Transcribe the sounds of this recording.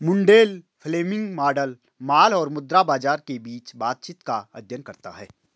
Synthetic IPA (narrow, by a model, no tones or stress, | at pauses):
mʊ̃ɳɖeːlpʰleːmɪ̃ŋɡmaːɾɖəl | maːlɔːɾmʊd̪ɾabaːd͡ʒaːɾkebiːt͡ʃbaːt̪̚t͡ʃɪt̪kaɐ̰d̪ʱjənkɐɾt̪a̰ɦɛː